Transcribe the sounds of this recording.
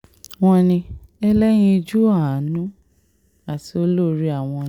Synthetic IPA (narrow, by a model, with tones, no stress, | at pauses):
w̃ɔ̃˧nĩ˧ɛ˧lɛ˦j̃ĩ˧d͡ʒu˦a˦˨˦nũ˦ | a˨ti˨o˧˦lo˦˨ɾi˦a˦˨w̃ɔ̃˧˦